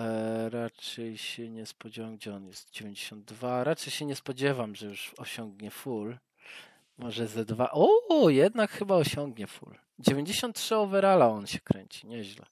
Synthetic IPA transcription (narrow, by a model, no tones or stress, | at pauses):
ɾat͡ʂɛjɕɛɲɛspɔd͡ʑevamɡ̚d͡ʑɛɔnjɛst̪̚d͡ʑevʲeɲd͡ʑeɕɔnd̪ːvaɾat͡ʂɛjɕɛɲɛspɔd͡ʑɛvamʐɛjuʂɔɕɔŋɡ̚ɲɛful | mɔʐɛzɛd̪va̰ʔɔjɛd̪nakxɘbaɔɕɔŋɡɲɛfṵl | d͡ʑevʲeɲd͡ʑeɕɔ̃nt̪̚tʂɘɔvɛɾalaɔnɕɛ̥kɾɛɲt͡ɕi̥ɲɛʑlɛ̰